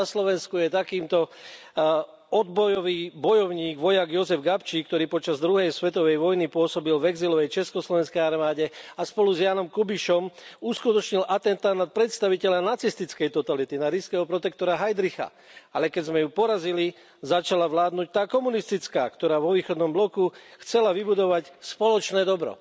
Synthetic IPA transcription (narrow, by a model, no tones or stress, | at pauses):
aslɔʋɛnskujɛt̪akiːmt̪ɔ | ɔd̪bɔjɔʋiːbɔjɔʊɲiːɡʋɔjaɡjɔzɛvɡapt͡ʃiːkt̪ɔɾiːpɔt͡ʃazd̪ɾuɦɛjsʋɛt̪ɔʋɛjʋɔjnipʊɔsɔbilvɛɡzilɔʋɛjt͡ʃɛskɔslɔʋɛnskɛjaɾmaːɟɛaspɔluzjaːnɔmkubiʃɔmuskut̪ɔt͡ʃɲilʔat̪ɛnt̪anat̪̚pɾɛt̪st̪aʋicɛʎanat͡sist̪it͡skɛjt̪ɔt̪alit̪inaɾiskɛːɦɔpɾɔt̪ɛkt̪ɔɾaɦajd̪ɾixa̰ | alɛkɛzmɛjupɔɾazili | zat͡ʃalaʋlaːd̪nuc̚t̪aːkɔmunist̪it͡ska̰ːkt̪ɔɾaːʋɔʋiːxɔd̪nɔmblɔkuxt͡sɛlaʋibud̪ɔʋacspɔlɔt͡ʃnɛːd̪ɔbɾɔ̰